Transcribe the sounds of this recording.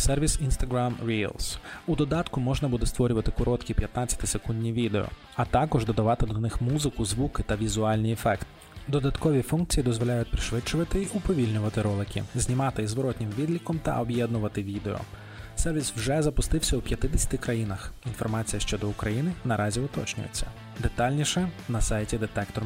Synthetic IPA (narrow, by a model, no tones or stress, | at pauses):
sɛrʋʲisinst̪ɐɡɾamɾʲḭlˠsud̪ɔd̪ɑt̪kʊmɔʒnɐbud̪ɛst̪ʋɔɾʲʊʋɐt̪ɪkɔɾɔt̪kʲipʲjɐt̪nɑt͡sʲːɐ̥t̪ɪsekunʲdʲnʲiʋʲid̪eɔ̰ | ɐt̪ɑkɔʒd̪ɔd̪ɐʋɑt̪ɪd̪ɔnɪxmuzɪkʊzʋukɪt̪ɐʋʲizʊɑlʲnʲijɛfɛkt̪ | d̪ɔd̪ɐt̪kɔʋʲifunk̚t͡sʲijid̪ɔzʋɔlʲajʊt̪̚ʲpɾɪʃʋɪt͡ʃːʊʋɐt̪ɪiʔupɔʋʲilʲnʲʊʋɐt̪ɪɾɔlˠɪkʲɪ̰zʲnʲimɑt̪ɪizʋɔɾɔt̪ʲnʲɪmʋʲid̪lʲikɔmt̪ɐ̰ʔɔbjɛd̪nʊʋɐt̪ɪʋʲid̪eɔ̰ | sɛrʋʲiswʒɛzɐpʊst̪ɪwsʲɐupʲjɐt̪ɪd̪esʲɐ̥t̪ɪkɾɐjinɐxinfɔrmɑt͡sʲijɐʃt͡ʃɔd̪ɔʊkɾɐjinɪnɐɾɑzʲiʊt̪ɔ̰t͡ʃnʲʊ̰jḛt͡sʲːɐ | d̪et̪ɑlʲnʲiʃɛnɐsɑjtʲid̪et̪ɛkt̪ɔr